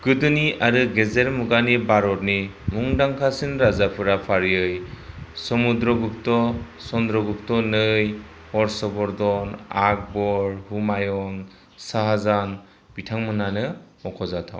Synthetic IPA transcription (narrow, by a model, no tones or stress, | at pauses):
kɯdɯniʔaɾɯɡezeɾmuɡanibaɾɔɾ̚nimuŋdaŋkʰasinɾazapʰɯɾapʰaɾiɯjsɔmudɾɔɡup̚tɔ | sɔndɾɔɡup̚tɔnɯj | hɔɾsɔbɔɾdɔnak̚bɔɾhumajɔn | saɦazan | b̥itʰaŋmɯnanɯmɔkʰɔzatʰa̰w